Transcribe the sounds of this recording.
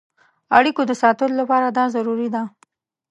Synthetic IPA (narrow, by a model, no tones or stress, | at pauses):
aɽikod̪əsɑt̪əlolapɑɾad̪ɑzaɾuɾid̪a